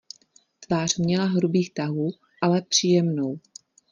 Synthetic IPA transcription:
t̪vaːr̝̥mɲɛlaɦɾubiːxt̪aɦuː | ʔalɛpr̝̥iːjɛmnow

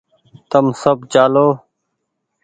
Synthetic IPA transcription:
t̪əmsəbt͡ʃaːloː

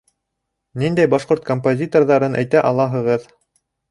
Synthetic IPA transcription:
nind̪æjbɑʃqoɾt̪kompozʲit̪o̞rðɑɾɤnʔæ̰jt̪æʔɑlˠɑɦɤ̆ʁɤð

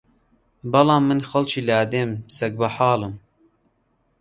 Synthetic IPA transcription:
bɐlɑːmːɨnxɐlt͡ʃʰiːlaːd̪eːmsɛk̚bɐħɑːlɨm

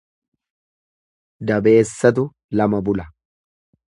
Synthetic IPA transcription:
d̪ɐbe̞ːsːɐt̪̬ʊ | lɐmɐbʊlɐ

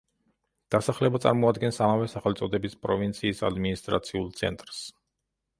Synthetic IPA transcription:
d̪̥asaχlɛbat̪sʼa̰ɾmɔad̪ɡɛnsamavɛsaχɛlt̪sʼɔd̪ɛbispʼɾɔvint̪sʰiːsa̰d̪minist̪ʼɾa̰t̪sʰiulˠt̪sʰɛ̰nt̪ʼɾs

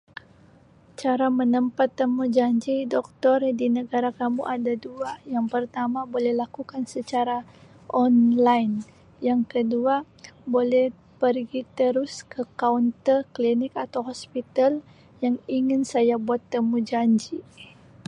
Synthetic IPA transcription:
t͡ʃaɾamənəmpat̪ːəmud͡ʒaɲd͡ʒidɔk̚t̪ɔrdinəɡaɾakamuʔadaduajaŋpərt̪amabolɛhlakukansət͡ʃaɾa | ʔɔnlajn | jaŋkədua | bolɛh | pərɡit̪əɾʊskəkaunt̪ərklinɪkat̪awɦɔspit̪al | jaŋiŋɪnsajabuat̪ːəmud͡ʒaɲd͡ʒi

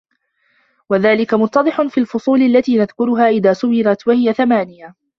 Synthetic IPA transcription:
waðaːlɪkamʊt̪ːɑd̪ˤɨħʊnfiːalfʊsˤuːlalːat̪iːnaðkʊɾʊɦaːʔɪðaːsʊbɪɾat̪wahɪjaθamaːnɪja

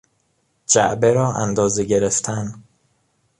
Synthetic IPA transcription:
d͡ʒæʔbeɾɒːʔæ̰nd̪ɒːzeɟe̞ɾeft̪ʰæn

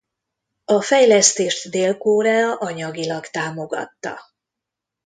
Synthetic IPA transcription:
ɒfɛjlɛst̪eːʃt̪d̪eːlkoːɾaːɒʔɒɲɒɡilɒkt̪aːmo̞ɡɒ̰t̪ːɒ̰

